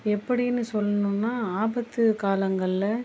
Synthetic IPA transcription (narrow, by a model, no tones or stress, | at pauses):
ɛpːɐɽɪnːɯsɔlːɐnũːnːaːaːbɐt̪ːɯkaːlɐŋɡɐɭɪlɐ